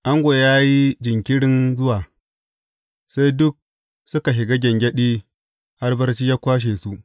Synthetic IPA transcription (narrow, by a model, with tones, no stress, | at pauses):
ʔa˦ŋɡʷo˨jaː˦ji˦d͡ʒɪ˨ŋkʲɪ˦ɽɪ˦nzʊ˦waː˨ | sa˦jdʊ˦k̚ | sʊ˦ka˨ɦɪ˨ɡɐ˦ɡʲɐ˨ŋɡʲɐ˦ɗiː˦ | ha˦rbɐ˦rt͡ʃiː˦jaː˦kʷaː˦ʃ̬eː˨su˦ʔ